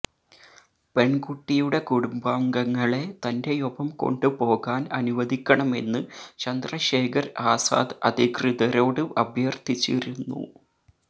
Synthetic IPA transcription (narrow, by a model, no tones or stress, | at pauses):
pe̞ɳɡuʈːijuɽe̞kuɽumbaːŋɡɐŋːɐɭe̞t̪ɐnde̞jobɐmko̞̰ɳɖɨpo̞ːɣaːnɐnuʋɐd̪ʱikʲːɐɳɐme̞̰nːɨt͡ɕɐnd̪rɐɕe̞ːkʰɐɾaːsa̰ːd̪ɐd̪ikrɨðɐɾo̞ːɽɨɐbʱjɐrt̪it͡ɕːiɾunːṵ